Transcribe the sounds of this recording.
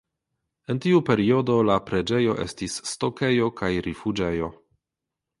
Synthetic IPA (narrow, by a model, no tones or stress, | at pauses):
e̞ntiupe̞ɾio̞do̞lapɾe̞d͡ʒe̞jo̞ʔe̞̰stisːto̞ke̞jo̞kʰajɾifud͡ʒe̞jo̞